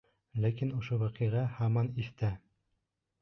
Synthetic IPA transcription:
lækinŏʃowæqiʁɑhɑmɑnist̪æ

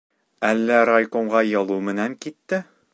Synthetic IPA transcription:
ælːæɾajkoɴʁɑjɒlˠumɘ̆næŋkit̪ːɘ

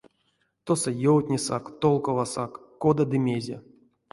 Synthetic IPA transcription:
t̪osojowt̪ʲnʲisa̰kt̪olˠkovasakːod̪ad̪ɨmʲezʲḛ

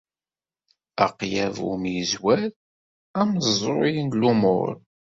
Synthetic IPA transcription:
æqjævṵmjəzwæð | æmzˤɾojinlumʊ̰ɾ

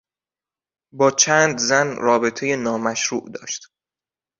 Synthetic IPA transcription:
bɒːt͡ʃʰæːnd̪zænrɒːbe̞t̪ʰe̞jenɒːmæʃɾuːʔd̪ɒ̰ːʃt̪

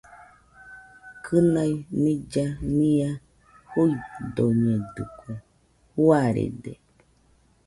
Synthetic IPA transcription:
kʰɨnainĩd͡ʒanĩa | hojd̪oɲed̪ukʰo | huaɾḛdḛ

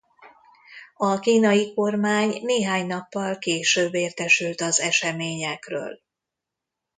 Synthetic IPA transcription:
ɒkiːnɒjiko̞rmaːɲneːɦaːɲnɒpːɒlkeːʃøːbːeːrt̪ɛʃylt̪ɒzɛʃɛmeːɲɛkrø̰ːl

